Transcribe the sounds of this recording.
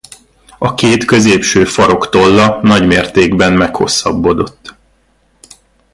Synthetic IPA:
ɒkeːt̪kø̞zeːpʃøːfɒɾo̞kt̪o̞lːɒnɒɟmeːrt̪eːɡbɛnmɛkho̞̰sːɒ̰bːo̞d̪o̞t̪ː

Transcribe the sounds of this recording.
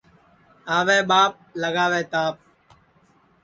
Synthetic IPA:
aːʋeːɓaːp̚ləɡaːʋeːt̪aːp̚

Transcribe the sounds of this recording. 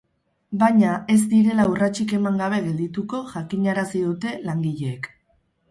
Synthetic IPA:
baɲae̞zd̪iɾe̞laurat͡ʃike̞maŋɡaβ̞e̞ɣe̞ld̪it̪uko̞ʝakiɲaɾasiðut̪e̞laŋɡiʎe̞ːk

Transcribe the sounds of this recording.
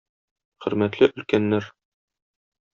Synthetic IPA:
χɵ̆ɾmæt̪lɘʔɵ̆lkænːæɾ

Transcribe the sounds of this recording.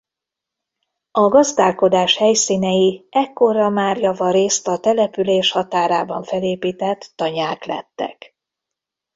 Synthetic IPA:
ɒɡɒzd̪aːlko̞d̪aːʃhɛjsiːnɛjiɛkːo̞ɾɒmaːrjɒvɒɾeːst̪ɒt̪ɛlɛpyleːʃhɒt̪aːɾaːbɒɱfɛleːpiːt̪ɛt̪ːɒɲaːklɛ̰t̪ːɛ̰k

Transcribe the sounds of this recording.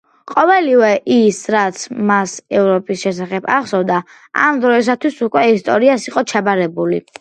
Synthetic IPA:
qʼɔvɛlivɛʔisɾat̪sʰmasɛvɾɔpʼisʃɛsaχɛba̰χsɔvd̪a | a̰md̪ɾɔis̬at̪ʰwisukʼwɛist̪ʼɔɾiasiqʼɔt͡ʃʰabaɾɛbulḭ

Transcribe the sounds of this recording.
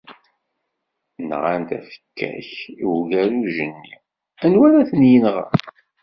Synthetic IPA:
nʁant̪æ̰fə̥kʰːæ̰çiwɡæɾuʒənːi | ænwæɾæθənjənʁə̰

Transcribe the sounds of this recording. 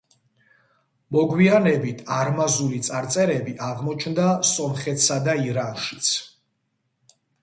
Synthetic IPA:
mɔɡwianɛbit̪ʰaɾmazulit̪sʼaɾt̪sʼɛɾɛbiʔaʁmɔt͡ʃʰnd̪asɔmχɛt̪ʰsad̪aiɾanʃi̥t̪sʰ

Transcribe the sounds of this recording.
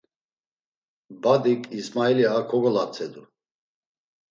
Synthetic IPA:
bad̪ikʼismailiakʰɔɡɔlat͡sʰɛd̪u

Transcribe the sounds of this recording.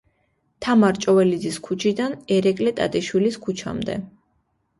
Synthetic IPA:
t̪ʰamaɾt͡ʃʼɔvɛlid̪ziskʰut͡ʃʰid̪anɛɾɛkʼlɛt̪ʼa̰t̪ʼiʃwiliskʰut͡ʃʰa̰md̪ɛ̰

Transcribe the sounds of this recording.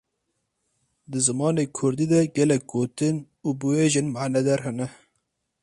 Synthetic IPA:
d̪ɨzɨmɑːneːkʰʊɾd̪iːd̪ɛɡɛlɛk̚ɡoːt̪ɨn | uːbɨweːʒɪnmaːnɛd̪ɛɾɦɛnɛ

